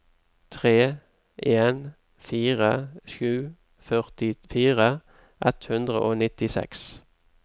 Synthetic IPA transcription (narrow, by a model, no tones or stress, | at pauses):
t̪ʰʁeː | eːn | fiːʁəʃʉː | fœʁt̪ɪfiːʁə | ʔɛt̪hʉnd̪ʁə̰ʔoːnɪt̪ɪsɛ̰ks